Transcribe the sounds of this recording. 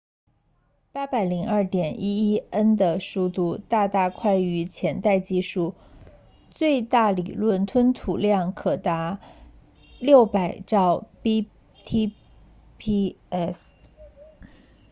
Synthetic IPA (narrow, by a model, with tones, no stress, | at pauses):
pa˥pa˨˩ɪli˧˥ŋɐ˞˥˩t̪jɛ˨˩nʔi˥i˥ə˥nd̪ə˨ʂu˥˧t̪u˥˧t̪a˥˧t̪a˥˧kʰwa˥˩ɪy˧˥t͡ɕʰjɛ˧˥nt̪a˥˧ɪt͡ɕi˥˧ʂu˥˩ | t͡swe˥˧ɪt̪a˥˩li˨˩lwə˥˩nt̪ʰwə˥nt̪ʰu˨˩ljɑ˥˩ŋkʰɤ˨˩t̪a˧˥ | ljo˥˩ʊpa˨˩ɪʈ͡ʂɑ˥˧ʊpi˥ | t̪ʰi˥ | pʰi˥ | ɛ˥s